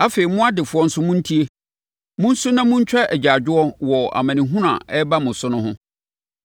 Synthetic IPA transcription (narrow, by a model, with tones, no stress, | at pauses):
a˦fe˨i˨mʊ̃˦a˦dɪ˨fʊ˦ɔ˦n̩˦sʊ˦mʊ̃˦n̩˦tʰi˦e˦ | mʊ̃˦n̩˦su˦nã˦mʊ̃˦ɲ̩˦t͡ɕᶣɛ˦ʔɛ˨d͡ʑa˨d͡ʑᶣʊ˦ɔ˦wɔ˨a̰˨mã˨nĩ˨ɦũ˦ɾã̰˨ɛ˦ba˦mʊ̃˨sʊ˦nʊ̃˦ɦʊ̃˦